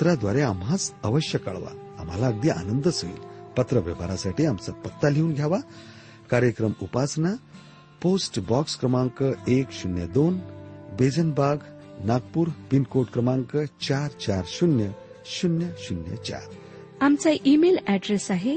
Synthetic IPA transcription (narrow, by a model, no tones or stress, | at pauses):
t̪ɾad̪ʋaɾeamɦat͡səʋəɕjəkə̰ɭʋa̰a̰mɦalaəɡ̚d̪iʔa̰nənd̪əsoḭːlpət̪ɾəʋəʋaɾasaʈiːamt͡sapət̪ːaleunɡʱjaʋa | kaɾjəkɾəmupasna | posʈbɔkskɾəmãŋkəekɕunjəd̪onbed͡zənbaɡ | naɡpuːɾpinkoʈkɾəmaŋkət͡ɕaɾt͡ɕaɾɕunjə | ɕunjəɕunjə̰t͡ɕa̰ɾ | amt͡saʔimelɛɖɾesaɦe